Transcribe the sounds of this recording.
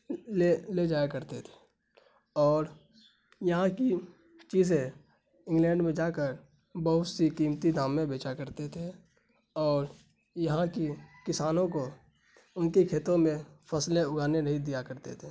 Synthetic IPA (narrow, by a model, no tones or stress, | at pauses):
leled͡ʒaːjkəɾt̪et̪ʰe̥ | ɔːɾ | jɐɦãki | t͡ʃiːzẽ | ɪ̃ŋɡlɛ̃ːɳɖmẽd͡ʒaːkəɾ | bəɦʊt̪sikiːmt̪id̪aːmːẽbeːt͡ʃakəɾt̪et̪ʰe | ɔːɾ | jɐɦãkikɪsaːnõko | ʊnkikʰeːt̪õmẽfʰəsleʊɡʱaːneɾəɦid̪ijakəɾt̪ḛt̪ʰeː